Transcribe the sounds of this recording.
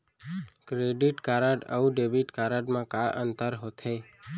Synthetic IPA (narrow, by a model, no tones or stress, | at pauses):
kɾeɖiʈkaɾaʈə̰ũɖebiʈkaɾaʈmãkaʔənt̪əɾɦot̪ʰe